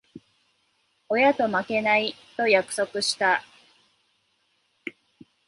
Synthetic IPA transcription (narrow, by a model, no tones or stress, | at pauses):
o̞jat̪o̞make̞nait̪o̞jakɯ̟̥so̞kɯ̟ɕi̥t̪a